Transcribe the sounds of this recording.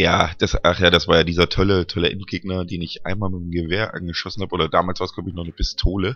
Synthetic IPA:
jaːd̥asʔaχjaːdasv̥aːɐjaːdiːzɐtʰɔlətʰɔlɛɛ̰nnɡ̥eːɡ̚nɐdeːnɪçʔa̰ɪnmaːlmɪtm̩ɡəveːɐʔa̰nɡəʃɔsn̩haːbəʔoːdɐdaːmalsv̥aːɐslaːbɪçnɔχnəpʰɪstʰoːlə

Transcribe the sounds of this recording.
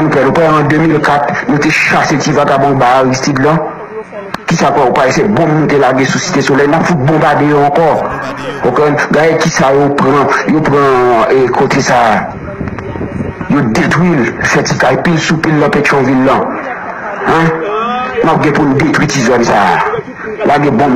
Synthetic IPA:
nũpɛnũpɛãd̪ømilkat̪̚nũt̪eʃasetivakabɔ̃baaɣist̪itlã | kisapɛupaesɛbɔ̃mũnːũt̪elaɡesusi̥t̪esolɛjnapfut̪̚bɔ̃badejoɑ̃kɔ | pokeɡajekisajopɣãjopɣãekʰot̪ʰesaː | jod̪et̪wilfɛtikajpilsupilːãpet͡ʃɔ̃vilːã | ɛ̃ | nap̚ɡɛ̃pũnud̪et̪witizɔnsaː | laɡɛ̃bɔ̃m

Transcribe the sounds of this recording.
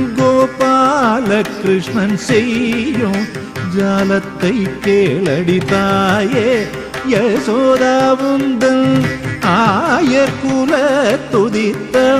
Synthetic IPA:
ɡoːpaːlɐkɾɪʂɳɐnseju | d͡ʒaːlɐt̪ːɐjkeːɭɐɽit̪aːje | jɐsoːd̪aːʋund̪ɐ | aːjɐɾkuːlɐt̪ud̪it̪ːɐ

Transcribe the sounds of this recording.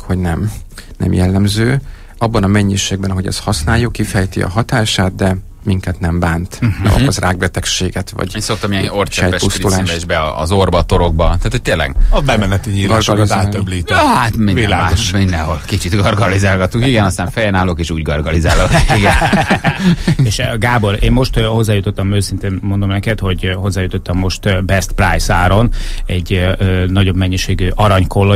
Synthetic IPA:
ho̞ɟnɛmnʔɛ̰mjɛlːɛmzøː | ɒbːɒnɒmɛɲːiʃeːɡ̚bɛnɒɦo̞ɟɛ̰shɒsnaːjokifɛjt̪iɒ̰ɦɒt̪aːʃaːd̪̚d̪ɛ | miŋkɛt̪nɛmbaːnt̪ɛ̰lkɒzrʔaːɡ̚bɛt̪ɛkʃeːɡɛt̪ʋɒ̰ɟenso̞k̚t̪ɒmiɛnort͡ʃɛɛjɛpusulaːʃɛʒbɛɒɒ̰zorbɒt̪oɾo̞ɡ̚bɒt̪aːt̪ʰoc̚t̪eːlːɛ̰ɡɒbɛmɛnɛt̪iɲiːɾaʃak̪aːøbliːt̪ɛhat̪mivilaːɡoʃmiɲːɛnɦolkit͡ʃit̪ɡɒrɡɒlizaːlɡɒt̪ukiɡɛnɒst̪aːɱfɛjɛnaːloːkeːʃuːɟɡɒrɡɒlizaːloiɡɛn | eːʃɡaːbo̞ɾeːnmo̞ʃt̪ho̞zːaːjut̪ot̪ːɒmøːsint̪eːnmo̞nd̪o̞mnɛkɛt̪ho̞ɟho̞zːaːjut̪o̞t̪ːɒmːo̞ʃt̪bɛst̪prajsaːɾo̞nɛɟnɒɟo̞bmɛɲːiʃeːɡyʔɒɾɒɲkolːo

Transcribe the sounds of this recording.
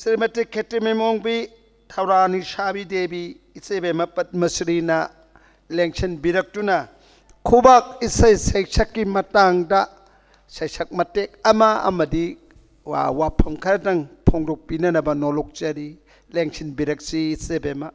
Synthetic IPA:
sɾimɐtikʰːetimemoŋbi | tʰɐwɾanisabidebiː | sebemɐpɐt̚mɐsɾinɐ | leŋsʰinbiɾɐk̚tunɐ | kʰubak̚isɐjsɐjsʰɐkːimɐtaŋdɐ | sɐjsʰɐk̚mɐtek̚ɐmɐɐ̰mɐdi | a̰wapʰɐmkʰɐɾɐtɐŋpʰoŋdɔk̚pinɐnɐbɐnɔlɔk̚t͡ʃɐɾi | leŋsʰinbiɾɐk̚t͡ʃiːsebemɐ

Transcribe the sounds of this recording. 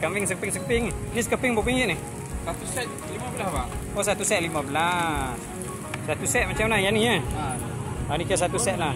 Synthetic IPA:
kamiŋs̬əkəpɪŋsəkəpɪŋnis̬əkəpɪŋbopiŋɡiʔnih | sat̪usɛt̪̚ | limabəlasbaʔosat̪usɛt̪̚limabəlas | sat̪usɛt̪̚mat͡ʃamlahjaniəa | anikas̬at̪usɛt̪̚lah

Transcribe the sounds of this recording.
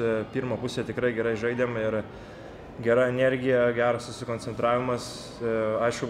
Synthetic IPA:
pʲiːɾmoːpʊsʲeːt̪ʲɪkɾɐɪɡʲɛɾɐɪʒɐɪd̪ʲeːmɪr | ɡʲɛɾɐɛnʲɛɾʲɡʲɪjɛɡʲæːɾɐsʊsʲɪkoːnʲt͡sʲsʲɛnt̪ɾɑːʋʲɪmɐs | ɐɪʃkʊ

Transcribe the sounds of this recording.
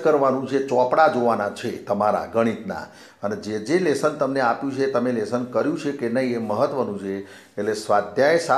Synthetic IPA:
kəɾʋanũt͡ʃʰet͡ʃɔpɽad͡ʒoʋanat͡ʃʰet̪əmaɾa̰ɡəɽ̃it̪na̰ | əned͡ʒed͡ʒelesənt̪əmneapjũt͡ʃʰet̪əmelesənkəɾjũt͡ʃʰekenəɦieməɦət̪ːʋənũt͡ʃʰeː | ʈlesʋad̪ʱjaesa

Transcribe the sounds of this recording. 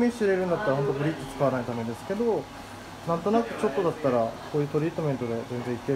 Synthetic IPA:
mʲiɕiɾeɾɯ̟̃nd̪at̪ːaɾaɦo̞nt̪oɡɯ̟ɾʲit͡sɨ̥t͡sɨ̥kaβanait̪ame̞d̪esɨ̥ke̞d̪o̞ | nãnt̪o̞nakɯ̟t͡ɕo̞t̪ːo̞d̪at̪ːaɾako̞ːjɯt̪o̞ɾʲiːt̪omẽ̞nt̪o̞d̪e̞zẽ̞nzẽ̞ike

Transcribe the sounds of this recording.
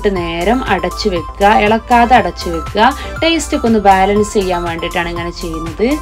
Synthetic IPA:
ʈːɨne̞ːɾɐmɐɽɐt͡ɕːɨʋekːɐeɭɐkːaːðeɐɽɐt͡ɕːɨʋe̞kuɐ | ʈe̞ːstikːo̞nːɨbaːlɐnst͡ɕe̞jːaːnʋeːɳɖiʈːaːɳeŋːɐne̞t͡ɕe̞jːunːɐðɨ

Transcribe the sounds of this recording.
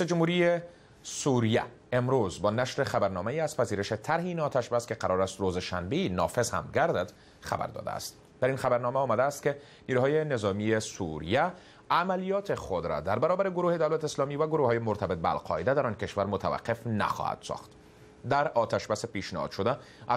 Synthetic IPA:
jsæd͡ʒʊmhuɾije | suɾijæ̰ | emɾozbɒːnaʃɾexabaɾnɒmajiaz̥pæziːɾeʃet̪ʰaɾɦeiːnɒːt̪ʰaʃbaskeqaɾɔːɾast̪ɾozeʃanbenɒ̰fe̞zha̰mɡaɾd̪ad̪ | xa̰ba̰ɾd̪ɒ̰ːd̪æ̰ːst̪ | d̪̥æɾinxabaɾnɒmæɒːmad̪æːst̪ke | niːɾuɦɒːjenezɒːmiesṵɾḭjæː | malijɒːt̪ʰexod̪ɾa̰d̪aɾbæɾɒːbæɾeɡoɾuːhed̪awlat̪eːslɒmivaɡoɾuhɒːjemoɾt̪ʰabet̪̚bea̰lqʰɒ̰ed̪æd̪æɾɒːnkeʃvaɾmot̪ʰa̰va̰qːe̞fna̰xɒ̰ha̰d̪sɒ̰xt̪ | d̪æɾɒːt̪ʰaʃbasepiʃnehɒ̰d̪ʃod̪æ

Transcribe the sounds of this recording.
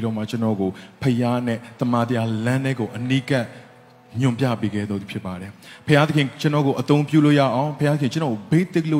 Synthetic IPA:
iɾɔmat͡ɕənɔ̰ɡopʰəjanɛ̰t̪əmat̪əjalãnɛɡoʔənikaʔ | ɲjʊ̃mpja̰peɡɛ̰ðɔd̪ðupʰjɪpːaɾɛpʰəjad̪əkʰɪ̃t͡ɕənɔɡoʔət̪õʊ̃mpjṵlo̰ja̰ʔãʊ̃pʰəjaəkʰɪ̃t͡ɕənɔɡobeɪ̃t̪ɪk̚lo

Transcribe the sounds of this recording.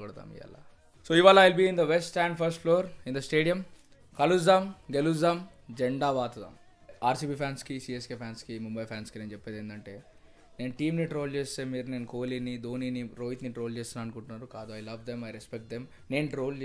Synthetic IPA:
ɔɽd̪a̰ːmḭa̰ːla̰ | soːiʋaːlɐːjilbiːind̪ɐʋesʈʈæːɳɖpʰɐɾsʈfloːɾĩnd̪ɐsʈe̞ːɖijɐm | kɐlusd̪aːmɡeluzd̪aːm | d͡ʒeɳɖaːʋaːt̪ud̪a̰ːm | aːɾsiːbiːpʰaːnskisiːeskeːpʰaːnskimumbɐjpʰaːnskineːnt͡ʃɛpːeːd̪eːnd̪ɐɳʈeː | ne̞ːnuʈiːmniʈɾo̞ːlt͡ʃeːst̪eːmiːɾune̞ːnukoːliːnid̪oːniːniɾoːjt̪niʈɾoːlt͡ʃeːsinaːɐnukuɳʈunːaːɾukaːd̪uɐjlɐʋd̪emɐjɾespek̚ʈ̚d̪em | ne̞ːnʈɾoːl

